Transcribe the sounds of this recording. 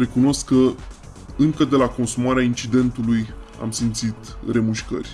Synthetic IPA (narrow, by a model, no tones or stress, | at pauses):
ɾe̞kuno̞skːə | ɨŋkəd̪e̞lako̞nsumaɾeaint͡ʃid̪e̞nt̪uluja̰msimt̪sit̪re̞muʃkə̰rʲ